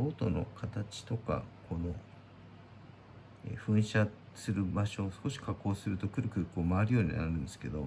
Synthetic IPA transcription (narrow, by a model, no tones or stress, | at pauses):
oːt̪o̰no̞̰kʰat̪at͡ɕi̥t̪o̞ka̰kʰo̞no̞ | ḛɸɯ̟̃ɰ̃ɕa | sɨɾɯ̟baɕo̞ːsɨ̥ko̞ɕi̥kʰakːo̞ːsɨɾɯ̟t̪o̞kɯ̟ɾɯ̟kɯːkoːmaːɾɯ̟jo̞ːɲ̟ina̰ɾɯ̟̃nd̪esɨ̥ke̞d̪o̞